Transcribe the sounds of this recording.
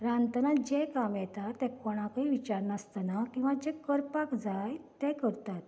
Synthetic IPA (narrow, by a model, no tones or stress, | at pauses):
ɾãnt̪ənad͡ʑɛkamjɛt̪at̪ːɛ̃kɔɽ̃ãkaiʋit͡ɕaɾnəst̪ənakĩw̃ʋad͡ʑɛkəɾpakd͡zajt̪ɛ̃kəɾt̪at̪